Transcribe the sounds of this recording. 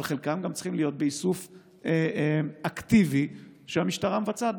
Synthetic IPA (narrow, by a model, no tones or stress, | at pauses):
lχe̞lkamɡamt͡si̥χimlijo̞t̪̚beisuf | akt̪iviʃeamiʃtaʁamevat͡sa